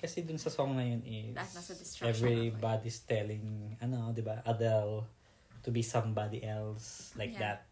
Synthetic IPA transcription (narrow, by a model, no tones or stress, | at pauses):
kɐsɛd̪ʊnsɐsɔŋnɐjonɪsɛvɹibad̪ist̪ɛlɪ̃ŋɐnod̪ɪbaʔɐd̪ɛl | t̪ubisɐ̃mbad̪iʔɛlslajk̚d̪ɐt̪̚